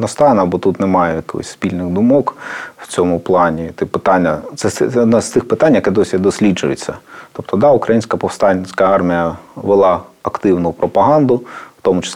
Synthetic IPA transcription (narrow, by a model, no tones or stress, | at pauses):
nɐst̪ɑʋenɐbɔt̪ut̪nemɑjɛjɐkɔ̰sʲspʲilʲnɪɣd̪ʊmɔkw̥t͡sʲɔmʊplˠɑnʲit̪ɪpɪt̪ɑnʲːɐt̪sɛɔd̪nɛst̪ɪxpɪt̪ɑnʲjɐkɛd̪ɔsʲid̪ɔsʲlʲid͡ʒʊjet͡sʲːɐt̪ɔp̚t̪ɔd̪ɑʊkɾɐjinʲsʲkɐpɔwst̪ɑnʲsʲkɐɑrmʲijɐʋelˠɑɐkt̪ɪwnʊpɾɔpɐɦɑnd̪ʊw̥t̪ɔmʊt͡ʃɪ̥